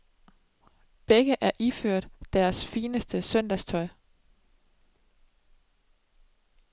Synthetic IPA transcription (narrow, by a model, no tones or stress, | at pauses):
b̥eɡ̥əʔæɐʔiføɐ̰d̥d̥æɐsfiːnəsd̥əsœn̰d̥æst͡sʰɒ̽ɪ̰